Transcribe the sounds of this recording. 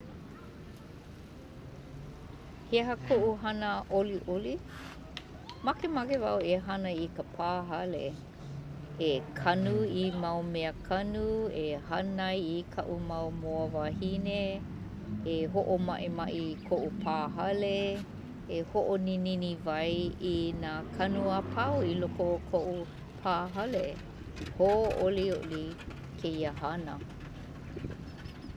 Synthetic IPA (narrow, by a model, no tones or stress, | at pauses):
heɦɐkʰoʔuɦɐnəʔoliʔoli | mɐkemakevɐ̰weɦɐnəikəpʰaːɦɐlḛ | ekʰɐnuimɐwmeəkʰɐnuehɐnɐjikʰɐʔumɐwmoəvahineː | eɦoʔomɐʔemɐʔikʰoʔupʰaːɦɐle | ehoʔonininivɐjinaːkʰɐnuapʰɐwilokokʰoʔu | pʰaːɦɐle | hoʔolioʔli | kʰeiəhɐnə